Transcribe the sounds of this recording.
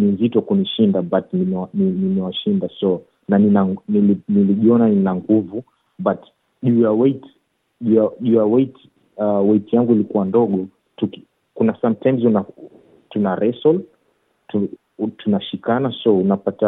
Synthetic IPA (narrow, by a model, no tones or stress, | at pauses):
nizitwɔkuniʃindabatnimɛwaninimɛwaʃindasɔ | naninaŋniliniliʄiɔnaninaŋɡuvu | bat | ʄujawɛt | ʄujaʄujawɛit | awɛitijaŋɡuilikuwandɔɠɔ | tuk | kunasamtʰajmzuna | tunaɾɛsɔl | tu | tunaʃikanasɔunapata